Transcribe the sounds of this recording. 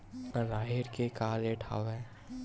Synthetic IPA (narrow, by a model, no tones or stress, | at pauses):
ɾaːɦɪɾkekaːleʈʰa̰ːʋɛː